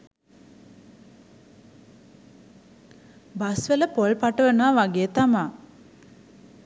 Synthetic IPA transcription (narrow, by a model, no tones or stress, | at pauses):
basʋeləpolpaʈəʋənʋaʋaɡeːt̪amaː